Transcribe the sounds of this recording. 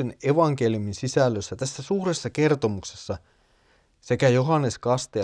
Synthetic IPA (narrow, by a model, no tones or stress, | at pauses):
eneʋɑŋk̟e̞liuminsisælːøsːæt̪æsːæsuːre̞sːɑke̞rt̪o̞mukse̞sːɑ | se̞kæjo̞ɦɑnːe̞skɑst̪e